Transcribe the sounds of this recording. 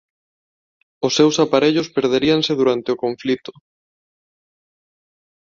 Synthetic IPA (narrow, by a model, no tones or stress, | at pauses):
ʊsːewsapaɾeʎʊspeɾðeɾiaŋseðuɾant̪ɪʊkoɱflit̪ʊ̥